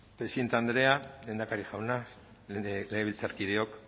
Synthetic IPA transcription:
pɾesient̪and̪ɾe̞alend̪akaɾiʝawna | leɣeilt͡saɾkið̞eo̞k

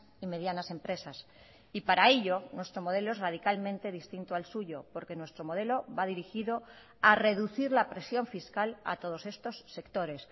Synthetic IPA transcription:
ime̞ð̞janasẽ̞mpɾe̞sas | ipaɾae̞ʎonwe̞st̪ɾo̞mo̞ð̞e̞loe̞zrað̞ikalmẽ̞nt̪e̞ð̞ist̪int̪oalsuʎo̞po̞ɾke̞nwe̞st̪ɾomo̞ð̞e̞lo̞βað̞iɾixiðo̞ | are̞ðuθiɾlapɾe̞sjo̞ɱfiskala̰t̪o̞ð̞o̞se̞st̪o̞sːe̞kt̪o̞ɾe̞s

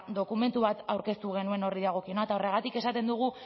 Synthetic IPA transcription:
d̪o̞kume̞nt̪uβat̪awɾke̞st̪uɣ̞e̞nue̞no̞ɾiðaɣ̞o̞kio̞nat̪ao̞reɣ̞at̪ike̞sat̪e̞nd̪uɣ̞u

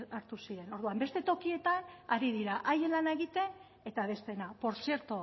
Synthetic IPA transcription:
aɾt̪usiɾe̞no̞ɾð̞uambe̞st̪e̞t̪o̞kie̞t̪anaɾiðiɾaʔaje̞nlanae̞ɣit̪e̞n | e̞t̪aβ̞e̞st̪e̞napo̞ɾsie̞ɾt̪o

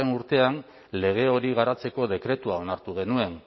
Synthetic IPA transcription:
enuɾt̪e̞an | le̞ɣ̞e̞o̞ɾiɣ̞aɾat͡se̞ko̞ðe̞kɾe̞t̪uao̞naɾt̪uɣ̞e̞nue̞n

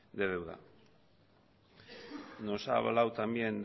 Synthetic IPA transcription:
d̪eðewða̰ | nosa̰βa̰lawt̪amjend̪

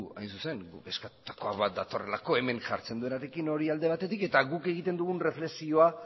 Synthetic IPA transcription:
a̰jnsuse̞ŋɡṵke̞skat̪u̥t̪ḁko̞aβat̪̚d̪at̪o̞re̞̰lako̞e̞me̞nʝa̰ɾt͡se̞nd̪ue̞naɾekino̞ɾiald̪e̞β̞at̪e̞t̪ike̞t̪aɣuke̞ɣit̪e̞nd̪uɣ̞unre̞fle̞ksio̞a

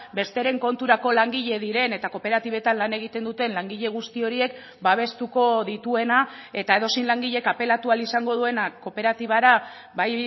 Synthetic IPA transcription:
be̞st̪e̞ɾe̞ŋko̞nt̪uɾako̞laŋɡiʎe̞ðiɾe̞ne̞t̪ako̞pe̞ɾat̪iβ̞e̞t̪anlane̞ɣit̪e̞nd̪ut̪e̞nlaŋɡiʎe̞ɣ̞ust̪io̞ɾie̞k | baβ̞e̞st̪uko̞ðit̪ue̞nae̞t̪ae̞ð̞o̞sinlaŋɡiʎe̞kape̞lat̪ualisaŋɡo̞ð̞ue̞nako̞pe̞ɾat̪iβ̞aɾa | βaj

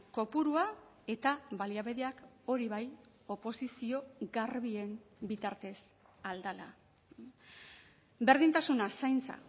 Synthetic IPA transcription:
ko̞puɾua | e̞t̪aβaliaβe̞ðeak | o̞ɾiβaj | o̞po̞sisio̞ɡarβie̞mbit̪aɾt̪e̞s | ald̪ala | be̞ɾðint̪asunasajnt͡sa̰

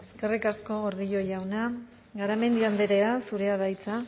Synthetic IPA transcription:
e̞ske̞rikasko̞ɣo̞ɾðiʎo̞jawna | ɣaɾame̞nd̪iand̪eɾe̞asuɾe̞að̞ajt͡sa

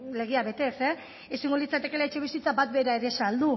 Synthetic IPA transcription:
le̞ɣ̞eaβe̞t̪e̞se | esiŋɡolit͡sat̪e̞ke̞laet͡ʃe̞β̞isit͡sabat̪be̞ɾaeɾesald̪u

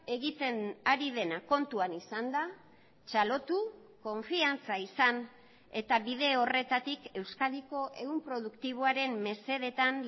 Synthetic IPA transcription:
e̞ɣit̪e̞naɾið̞e̞nako̞nt̪uanisand̪a | t͡ʃalo̞t̪u | ko̞ɱfiant͡saisan | e̞t̪aβiðe̞o̞re̞t̪at̪ike̞wskaðiko̞ʔe̞ɣumpɾo̞ð̞ukt̪iβ̞oaɾe̞mːe̞se̞ðe̞t̪an

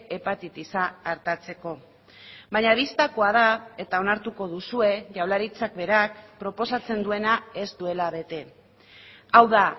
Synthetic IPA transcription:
epat̪it̪isaːɾt̪at͡se̞ko̞ | baɲaβist̪ako̞að̞ae̞t̪ao̞naɾt̪uko̞ðusue̞ʝawlaɾit͡sakbe̞ɾakpɾo̞po̞sat͡se̞nd̪ue̞nae̞zd̪ue̞laβ̞e̞t̪e̞ | awða

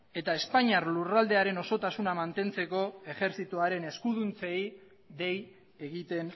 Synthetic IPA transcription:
e̞t̪ae̞spaɲiarlurald̪e̞aɾe̞no̞so̞t̪asunamant̪e̞nt͡se̞ko̞e̞ʝe̞ɾθit̪uaɾe̞ne̞skuðunt͡sej | ðe̞j | eɣit̪e̞n

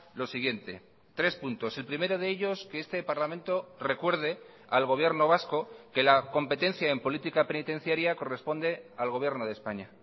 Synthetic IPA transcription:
lo̞siɣje̞nt̪e̞̰ | t̪ɾe̞spunt̪o̞se̞lpɾime̞ɾoð̞e̞eʎo̞skeest̪e̞paɾlamẽ̞nt̪o̞re̞kwe̞ɾð̞e̞ | alɣ̞o̞β̞je̞ɾno̞β̞asko̞ke̞lako̞mpe̞t̪e̞n̟θjaempo̞lit̪ikape̞nit̪ẽ̞n̟θjaɾjako̞re̞spo̞nd̪e̞alɣ̞o̞β̞je̞ɾno̞ð̞espaɲa

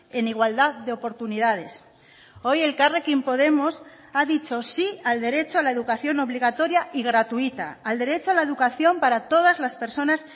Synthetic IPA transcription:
e̞niɣ̞wald̪aððeopo̞ɾt̪uniðað̞e̞s | o̞je̞lkarekimpo̞ð̞e̞mos | aðit͡ʃo̞siald̪e̞ɾe̞t͡ʃoalae̞ðukaθjo̞no̞βliɣ̞at̪o̞ɾjaʔiɣɾat̪uit̪a̰ːld̪e̞ɾe̞t͡ʃoalae̞ðukaθjo̞mpaɾat̪o̞ð̞azlaspe̞ɾso̞nas

